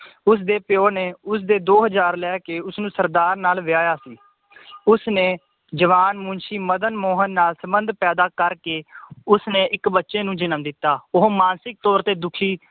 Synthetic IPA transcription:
ʊs̬d̪eːpɪjoːneːʊs̬d̪eːd̪oːɦəzaːɾlɛːkeːʊsnũːsəɾd̪aːɾnaːlʋɪjaːjaːsiː | ʊsneː | d͡ʒəʋaːnmʊnʃiːməd̪ənmoːɦənːaːlsəbənd̪pɛːd̪aːkəɾkeːʊsneːʔɪkbətːʃeːnũːd͡ʒɪnəmd̪ɪt̪ːaːʊɦomaːnsɪk̚t̪ɔːɾt̪eːd̪ʊkʰiː

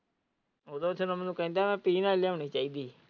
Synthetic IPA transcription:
oːd̪oːt̪ʰonəmənũːkɛ̃ːnd̪aːmɛ̃ːpiːnaːleoːɳ̃iːt͡ʃaːiːd̪iː

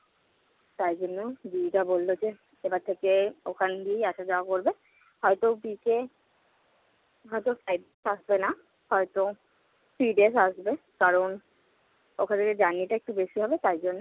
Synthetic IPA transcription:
t̪ajd͡ʑonːobiʈabolːod͡ʑe | ebaɾt̪ʰekeokʰand̪ieiaʃad͡ʑawakoɾbe | hɔjt̪obike | ɦɔjt̪ofajbesaʃbena | hɔjt̪o | fɾiɖesaʃbe | kaɾon | okʰant̪ʰeked͡ʑanːiʈaek̚ʈubeʃiɦɔbet̪aɾd͡ʑonːo

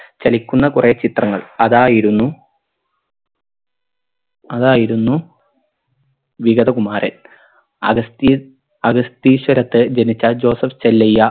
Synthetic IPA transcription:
t͡ɕɐlikʲːunːɐkuret͡ɕit̪rɐŋːɐɭɐðaːjiɾunːu | ɐðaːjiɾunːu | ʋiɣɐðɐkumaːɾʔɐ̰n | ɐɐst̪i | ɐɡɐst̪iːɕwɐɾɐt̪ːɨd͡ʑɐnit͡ɕːɐd͡ʑo̞ːsɐft͡ɕelːɐjːɐ

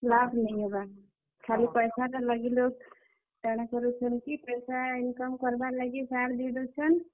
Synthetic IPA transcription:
labʱnajɦoba | kʰalipəjsaɾələɡilok | taɽ̃akɔɾut͡ʃʰənkipəjsainkəmkəɾbalaɡisaɾd̪iɽɔt͡ʃʰən

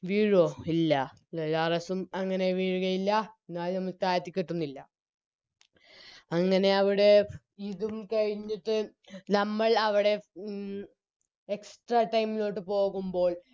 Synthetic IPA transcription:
ʋiːɻoːilːɐ | ɐlɐrɐsumɐŋːɐne̞ʋiɻuɣɐjilːɐenːaːlnɐmːɐɭst̪aːt̪ːikʲːiʈːunːilːɐ | ɐŋːɐne̞ɐʋiɽe̞ | iðumkɐɻiɲːiʈːɨ | nɐmːɐɭɐʋiɽe̞ | eksʈrɐʈːɐjmːilo̞ːʈːɨpo̞ːɣumbo̞ːɭ

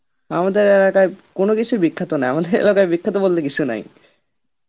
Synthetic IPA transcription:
amad̪eɾelakaekonokit͡ɕʰubikʰːat̪onajamad̪eɾḛlakaebikʰːat̪obolt̪ekit͡ɕʰunɛ̰j

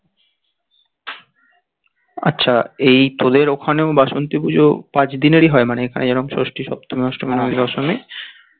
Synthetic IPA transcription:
a̰tːɕʰaejt̪od̪eɾokʰaneobaʃont̪ipud͡ʑʱopãt͡ɕd̪ineɾiɦɔemaneekʰanʔed͡ʑɛnoŋʃo̰ʃʈiʃɔ̰b̚t̪ʰomiɔʃʈomanod̪ɔʃomi

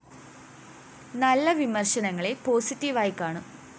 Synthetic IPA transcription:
nɐlːɐʋimɐrɕɐnɐŋːɐɭepo̞ːsitːiʋaːjikːaːɳu

